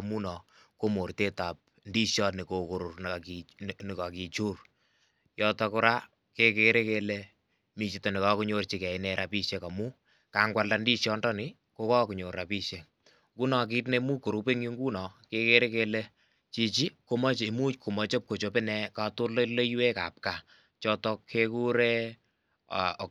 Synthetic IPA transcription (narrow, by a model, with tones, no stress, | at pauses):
mu˦nɔ˨ | ko˦mo˨ɾte˦ta˨p̚ | ndi˦ʃjɔ˦nɪ˨ko˨ko˨ɾo˨rkinɪ˨ka˨ki˨t͡ʃu˦r | jɔ˦tɔ˧kʊ˦ɾa˦ | ke˦keɾe˦kele˦ | mi˨t͡ʃi˨tɔ˨nɪ˨ka˦ku˦ɲo˦rt͡ʃi˨kɛ˨ɪnɛɾʔa˨pi˦ʃeka˨mu˦ | ka˨ŋɡwa˨lda˨ndi˦ʃjɔ˦ndɔ˦nɪ˨ | ko˦kɔ˦ku˨ɲo˨ɾa˨pi˦ʃje˨ŋ | ŋku˦nɔ˨k̬i˦t̬ne˧mu˦ko˨ɾu˧pe˦ŋi˦ŋɡu˦nɔ˨ke˦ke˦ɾe˦ke˧le˦ | t͡ʃi˦t͡ʃi˦ko˦mɔ˦t͡ʃe˨mu˦t͡ʃko˨mɔ˨t͡ʃe˦p̚ko˨t͡ʃo˨pe˦nɛ˧ka˧to˦lə˦le˦jwe˦ka˨p̚ka˨ | t͡ʃɔ˦tɔ˧kʰe˦ku˦ɾe˦˨